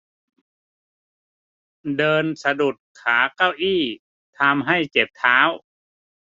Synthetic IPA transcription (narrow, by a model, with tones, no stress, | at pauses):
dɤː˧nsa˧du˨˩t̪̚kʰaː˩˦ka˥˩wʔiː˥˩ | t̪ʰa˧mɦa˥˩jt͡ɕe˨˩p̚t̪ʰaː˦˥w